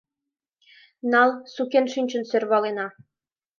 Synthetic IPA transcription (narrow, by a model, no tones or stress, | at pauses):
nɑlˠsukenʃynʲt͡ɕə̆nsø̆rβɑlenɑ